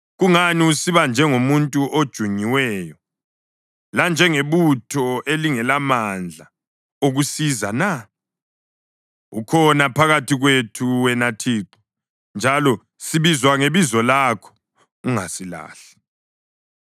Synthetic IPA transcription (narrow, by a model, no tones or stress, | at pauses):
ɣuŋaniusiβand͡ʒʱɛŋomuntʼuʔod̥ʒ̥ʱuɲiwɛjɔ | land͡ʒʱɛŋeβutʰɔʔeliŋɛlamand͡ɮʱa | oɣusizana | ṵkʰɔnapʰaɣatʰiɣwetʰuwɛnatʰiːǃɔ̥ | nd͡ʒʱalɔ | siβizwaŋeβizɔlakʰɔ̥ | uŋasila̰ːɬɛ̥